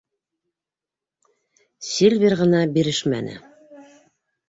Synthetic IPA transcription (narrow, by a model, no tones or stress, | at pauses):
sʲilʲvʲerʁɤ̆nɑbiɾɘʃmæ̰nɘ̰